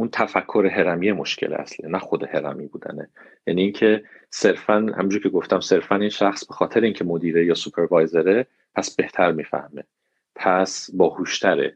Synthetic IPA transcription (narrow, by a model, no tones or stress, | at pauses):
ʔunt̪ʰæfækʰːo̞ɾeɦe̞ɾæmijemo̞̰ʃcʰelḛæ̰slinæxo̞d̪ehe̞ɾæ̰miːbuːd̪æ̰nḛ | jæniːŋcʰe̞se̞ɾfænhæ̰mind͡ʒuɾcʰeɡo̞ft̪æmse̞ɾfæninʃæxsb̥e̞xɒːt̪ʰeɾeiːŋcʰe̞mo̞d̪iːɾejɒːsupʰe̞ɾvɑːjzeɾe | pʰæsb̥e̞ht̪ʰæɾmiːfæ̰hme̞ | pʰæsbɒːhuːʃt̪ʰæɾḛ